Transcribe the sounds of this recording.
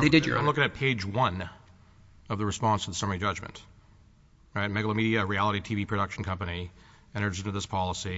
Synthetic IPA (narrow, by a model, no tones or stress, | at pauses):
ðeɪdɨd͡ʒ̰aɪ̃mlʊkɪ̃ŋɨt̚pʰeɪd͡ʒwʌ̃n | ʌvðəɹɨspɑ̃nstʰəðəsʌmə˞id͡ʒʌd͡ʒmɨ̰̃nt | ɹaɪt̚mɛɡl̩ˠəmiɾiɨɹiælˠəɾitʰivipʰɹ̥ɨɾʌkʃn̩kʰʌ̃mpɨni | ɨ̃ɾ̃ə˞sɪ̃ntɨðɪspʰɑlˠəsi